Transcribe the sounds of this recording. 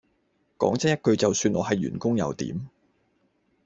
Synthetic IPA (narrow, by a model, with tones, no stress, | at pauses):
kɔ̰ː˨˥ŋt͡sɛ˥jt̚kɵ˧ɥt͡sɐ˨wsyː˧nʔɔ̰ː˨˧ɦɐ˨jɥy̰ː˨˩nkʊ˥ŋjɐ̰˨˧wt̪ḭː˨˥m